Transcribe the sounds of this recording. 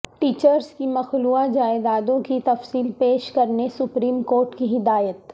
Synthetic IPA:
ʈiːt͡ʃəɾskimɐxluad͡ʒaːed̪aːd̪õkit̪ɐfsiːlpeːʃkɐɾnesʊpɾiːmkoːɾʈkiɦɪd̪aːjət̪

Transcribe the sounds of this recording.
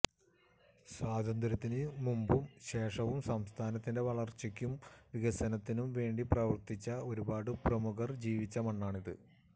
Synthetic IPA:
swaːd̪ʱɐnd̪ɾɐt̪ːinɨmumbumɕe̞ːʂɐʋumsɐmst̪ʰaːnɐt̪ːinde̞ʋɐɭɐrt͡ɕikʲːumʋiɣɐsɐnɐt̪ːinumʋe̞ːɳɖiprɐʋɐrt̪it͡ɕːɐo̞ɾubaːɽɨprɐmuɣɐrd͡ʑiːʋit͡ɕːɐmɐɳːaːɳiðɨ̰

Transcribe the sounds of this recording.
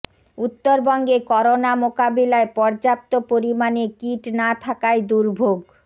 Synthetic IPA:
ut̪ːoɾbɔŋɡekɔɾonamokabilaepɔɾd͡ʑap̚t̪opoɾimanekiʈnat̪ʰakaed̪uɾbʱoɡ

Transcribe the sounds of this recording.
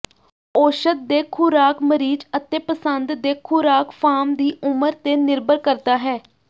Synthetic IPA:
oːʃət̪̚d̪eːkʰʊɾaːkməɾiːd͡ʒət̪eːpəsənd̪d̪eːkʰʊɾaːkfʰaːmd̪iːʊməɾt̪eːnɪɾbəɾkəɾt̪aːɦɛː

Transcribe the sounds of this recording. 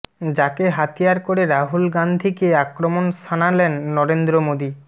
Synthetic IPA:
d͡ʑakeɦat̪ijaɾkoɾeɾaɦulɡand̪ʱikeakɾomonsanalenːɔɾend̪ɾomod̪i

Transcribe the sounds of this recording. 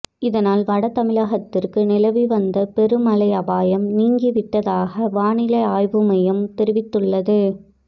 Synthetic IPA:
ɪðɐnaːlʋɐɽɐt̪ɐmɪlaːɣɐt̪ːɪrkɯnɪlɐʋiʋɐnd̪ɐpɛɾɯmɐlɐɪɐbaːjɐmniːŋɡiʋɪʈːɐðaːɣɐʋaːɳɪlɐɪaːjʋɯmɐjɐmt̪ɛɾɪʋɪt̪ːɯɭːɐðɯ

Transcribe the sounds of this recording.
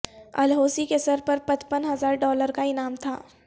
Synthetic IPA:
ɐ̰lɦoːsikesɐɾpɐɾpɐt͡ʃpənɦɐzaːɾɖɔːləɾkaɪnaːmt̪ʰa̰ː

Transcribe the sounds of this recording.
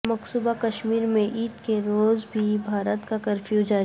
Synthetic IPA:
mɐksuːbakɐʃmiːɾmẽʔiːt̪keɾoːzbʱibʱaːɾət̪kakə̃ɾfʰjuːd͡ʒaɾ

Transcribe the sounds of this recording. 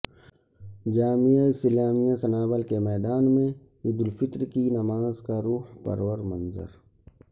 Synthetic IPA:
d͡ʒaːmijaɪsɪlaːmijasɐnaːbəlkemɛːd̪aːnmẽ | ɪd̪ʊlfɪt̪ɾkinɐmaːzkaɾuːhpɐ̰ɾwəɾmɐnzə̰ɾ

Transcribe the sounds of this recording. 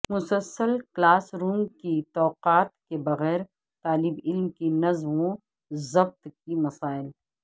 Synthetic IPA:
mʊsəlsəlklaːsɾuːmkit̪ɔːqaːt̪kebɐɣɛːɾ | t̪aːlɪbɪlmkinɐzmõ | zɐb̚t̪kimɐsaːɪl

